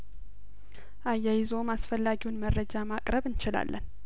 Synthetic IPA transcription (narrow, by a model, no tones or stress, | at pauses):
ʔajajɪzo̞masfəlːaɡiwunməɾəd͡ʒamakʼɾəβɨnt͡ʃɪla̰lːʔə̰n